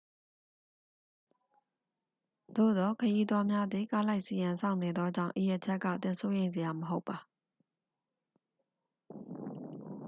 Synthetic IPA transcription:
d̪̥o̰˦˨d̪ɔ˦kʰəji˦d̪wa˦mja˦d̪ði˨ka˦la˦ɪʔsi˨jã˨sʰã̰˦˨ʊ̃ne˨d̪ðɔ˦d͡ʑã̰˦˨ʊ̃ʔi˨ja˨t͡ɕʰɛ˦ʔkːä̰˦˨t̪ɪ̰̃˨nso˦jẽ˨ɪ̃nze˨ja˨məɦo˦ʊpːa˨

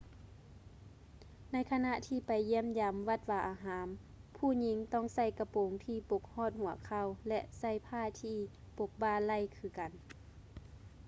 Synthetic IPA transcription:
na˧˥˨jkʰa˧na˧ʔt̪ʰiː˧˨pa˨jːi˧˥˨əmjaː˨mʋa˧˩t̪̚waː˧˩ʔaː˨˧ɦaː˨˦m | pʰuː˧˩ɲi˧˦ŋt̪ɔ˧˩˨ŋsa˧˩jka˧po˨˦ŋt̪ʰiː˧˩po˧˦k̚hɔː˧˥˨t̪̚hu˨˩˦ɐkʰa˧˩˨wlɛ˧ʔsa˧˥˩jpʰaː˧˥˨t̪ʰiː˧˩ | po˧k̚baː˧˨la˧˩˨jkʰɯː˧˦ka˨n

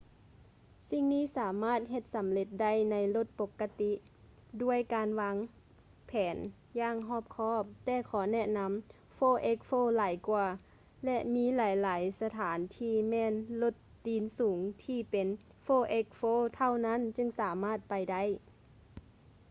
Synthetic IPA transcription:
si˧ŋniː˧˥˨saː˩˦maː˧˥˩t̪̚ɦe˧t̪̚sa˨˦mle˧t̪̚da˥˩˨jna˧˥jlo˧˩t̪̚po˧˦kːa˧t̪i˧˥ʔ | du˧˥˩əjkaː˨nʋa˧˥ŋ | pʰɛː˩˦n | jaː˧˥˨ŋɦɔː˧˥˩p̚kʰɔː˧˥˩p̚t̪ɛː˧˩kʰɔː˩˦nɛ˧ʔna˧˥m | foː˧˨ʔe˧˦˥k̚foː˧˨laː˨˦jkwu˧ | lɛ˧ʔmiː˧˥laː˨˦jlaː˨˦jsa˧t̪ʰaː˩˦nt̪ʰiː˧˩mɛː˧˨nlo˧˩t̪ːiː˨˦nsuː˨˩˦ŋt̪ʰiː˧˩pe˨n | foː˧˨ʔe˧˥k̚foː˧˥˨t̪ʰa˧˥˨wna˧˥˨nt͡ɕɯ˧ŋsaː˨˦maː˧˥˩t̪̚pa˨jda˥˩˨j

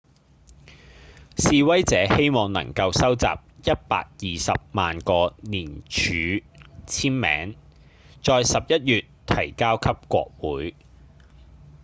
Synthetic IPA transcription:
siː˨˧wɐ˥jt͡sɛː˨˧˥he˥jmɔː˨˩ŋnɐ̰˨˩ŋkɐ˧wsɐ˥wt͡sa̰ː˨p̚jɐ˥t̚pa̰ː˧k̚jiː˨sɐ̰˨p̚maː˨nkɔː˧niː˨˩nt͡ʃʰyː˨˧˥t͡sʰiː˥nmɛ̰ː˨˥ŋ | t͡ʃɔː˧jsɐ˨p̚jɐ˥t̚jyː˨tt̪ʰɐ˨˩jkaː˥wkʰɐ˥p̚kʷɔ̰ː˧k̚wuː˨˥j

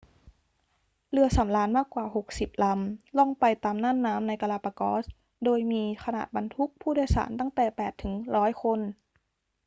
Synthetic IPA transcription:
lɯ˧ɐsa˩˦mlaː˦˥nmaː˥˩kːwaː˨˩ho˨˩k̚si˨˩p̚la˧˥mlɔ˥˩ŋpa˧jt̪aː˨mnaː˥˨nːaː˦˥mna˧jka˧laː˧pa˧kɔ̰ː˦˥s | doː˧jmiː˧kʰa˧na̰ː˨˩t̪̚ba˧nt̪ʰu˦˥k̚pʰuː˥˩daː˧˨jsa̰ː˩˦nt̪a˥˩ŋt̪ɛː˨˩pɛː˨˩t̪ʰːɯ˩˦ŋɾɔː˦˥jkʰo˧n

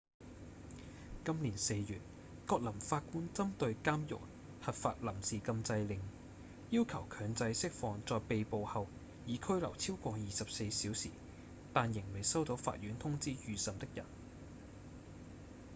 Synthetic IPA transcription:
kɐ˥mliː˨˩nse˧jjyː˨t̚ | kɔː˧k̚lɐ˨˩mfaː˧t̚kuː˥nt͡sɐ˥mt̪ɵ˧ɥkaː˥mjʊ̰˨k̚ | hɐ˨t̚fa̰ː˧t̚lɐ˨˩msiː˨kɐ˧mt͡sɐ˧jlɪ˨ŋ | jiː˥wkʰɐ˨˩wkʰœː˨˧˥ŋt͡sɐ˧jsɪ˥k̚fɔː˨˧ŋt͡sɔː˨˧jpe˨jpo˨˧whɐ˨w | jiː˨˧kʰɵ˥ɥlɐ̰˨˩wt͡sʰiː˥wkʷɔː˧jiː˨sɐ˨p̚se˧jsiː˨˥wsḭː˨˩ | t̪aː˨njɪ˨˩ŋle˨˩jsɐ˥wt̪o˨˧˥wfa̰ː˧t̚ɥyː˨˥nt̪ʰʊ˥ŋt͡siː˥jyː˨˩sɐ˨mt̪ɪ˥k̚jɐ̰˨˩n

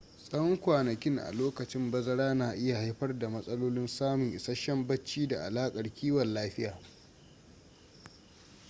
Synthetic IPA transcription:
sʼɐ˦wɔ˦ŋkʷaː˨nɐ˨kʲɪ˦ŋʔa̰˨loː˦kɐ˨t͡ʃɪ˦mbɐ˦zɐ˦ɽaː˦naː˨ʔɪ˦ja˨ha˦jɸɐ˦rda˨mɐ˦sʼɐ˦loː˦lɪ˦nsaː˦mʊ˨ŋʔɪ˨sɐ˦ʃɐ˦mbɐ˦t͡ʃːiː˦da̰˨ʔa̰˨laː˦kʼɐ˨rkʲʰiː˦wɐ˨nlaː˦ɸɪ˦jaː˨

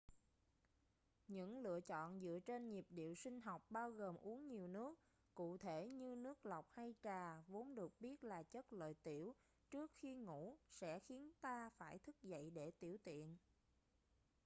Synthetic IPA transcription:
ɲɨ̰˧˥ŋlɨ̰˧˨ət͡ɕɔ̰˧˨nzɨ̰˧˨ət͡ɕe˧nɲi˨˩p̚ɗḭ˧˨əwsï˧ŋ̟ɦa˨˩wk͡p̚ɓaː˧wɣəː˨˩mʔu˨˦əŋɲi˨˩əwnɨ˦˥ək̚ː | ṵ˧˨t̪ʰe˧˩ɲɨ˧nɨ˦˥ək̚la˨˩wk͡p̚ha˧jt͡ɕaː˨˩vo˨˦nɗɨ˨˩ək̚ɓi˦˥ət̚laː˨˩t͡ɕə˦˥t̚lə̰ː˧˨jt̪i˧˩əw | t͡ɕɨ˦˥ək̚xi˧ŋṵ˧˥sɛ̰˧˥xi˨˦ənt̪aː˧faː˧˩jt̪ʰɨ˦˥k̚zə̰˧˨jɗe˧˩t̪i˧˩əwt̪ḭ˧˨ən

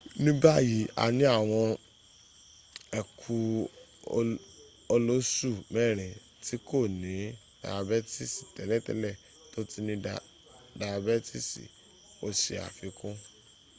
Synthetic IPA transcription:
nĩ˦ba˦˨ji˨˦a̰˨nĩ˦a˦˨w̃ɔ̃˧ | ɛ˨kʰu˧ | o˧lo˦su˦˨mɛ˦˨ɾ̃ĩ˨ | ti˨˦ko˦˨nĩ˨˦ | d̥a̰˨a˧bɛ˦ti˦˨si̥˨tɛ˨lɛ˦˨tɛ̰˦lɛ˦˨ | to˦ti˦nĩ˧ | da˨a˧bɛ˦ti˦˨sḭ˨ | o˦˨sḭ˨a̰˨fi˨˧˦kũ˦

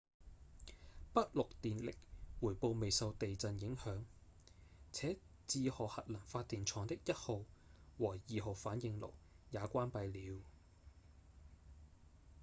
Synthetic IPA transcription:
pɐ˥t̚lʊ˨k̚t̪iː˨nlɪ˨k̚wuː˨˩jpo˧wme˨jsɐ˧wt̪e˨jt͡sɐ˨njɪ˨˥ŋhœː˨˥ŋ | t͡sʰɛː˨˥ | t͡siː˧hɔː˨˩hɐ˨t̚lɐ˨˩ŋfaː˧t̪̚iː˨˩nt͡ʃʰɔː˨˩ŋt̪ɪ˥k̚jɐ˥t̚ho˨˧wwɔː˨˩jiː˨ɦo˨wfaː˨˥njɪ˨˧ŋlo̰˨˩w | jaː˨˧kʷaː˥npɐ˧jliː˨˥w

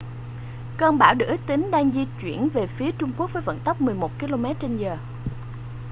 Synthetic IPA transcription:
kəː˧nɓaː˧˩wɗɨ̰˧˥˦t̪ï˨˦ŋ̟ɗaː˧ŋzi˧t͡ɕwḭ˧˩ənve˨˩fi˨˦ət͡ɕʊ˧ŋ͡mku˦˥ək̚vəː˨˦və̰˧˨nt̪ə˦˥k͡p̚mɨ˨˩əjmo˨˩t̚ki˧lo˧mɛ˦˥t̚t͡ɕe˧nzəː˨˩

